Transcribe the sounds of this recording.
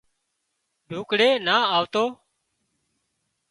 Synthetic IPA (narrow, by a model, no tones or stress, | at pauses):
ɖʱuːkɽeːnaːaːʋt̪oː